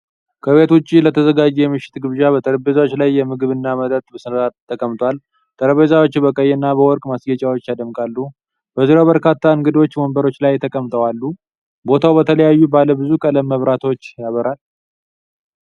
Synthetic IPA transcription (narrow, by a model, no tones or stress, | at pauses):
kʰəβe̞t̪ut͡ʃʼːilət̪ʰəzəɡad͡ʒɛjɛmɨʃːɪ̥t̪ɡɨβʒabət̪ʼəɾəbezawot͡ʃːlajːɛmɨɡɨβɨnːamət̪ʼət̪ʼbəsɨnat̪t̪ʰːəkʼəmt̪ʼwal | t̪ʼəɾəβezawo̞t͡ʃːbəkʼəjɛnːabəwɔɾkʼmasɡət͡ʃʼawot͡ʃːjad̪əmkʼalːu | b̥əziɾawbəɾkat̪ʰːaɨŋɡɨd̪o̞t͡ʃːwɔmbəɾo̞t͡ʃːlajt̪ʰəkʼəmt̪ʼəwalːu | bo̞t̪ʰawbət̪ʰələjajːubaləbɨzukʼələmːəβɾat̪ʰo̞t͡ʃːjaβəɾal